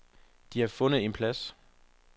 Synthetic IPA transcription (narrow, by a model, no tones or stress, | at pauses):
d̥iæfɔ̽nð̩ˠe̝npʰlæs